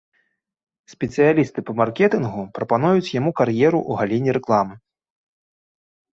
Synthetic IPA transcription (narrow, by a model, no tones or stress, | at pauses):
sʲpʲɛt̪sɨjalʲist̪ɨpɐmarkʲɛt̪ɨnɣupɾɐpanujut͡sʲjamukarjɛɾuʔuɣalʲenʲːiɾɛklˠamɨ